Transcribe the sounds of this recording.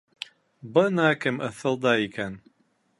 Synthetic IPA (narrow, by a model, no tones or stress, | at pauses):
bɤnɑkɘmɤ̆θɤ̆lˠd̪ɑikæn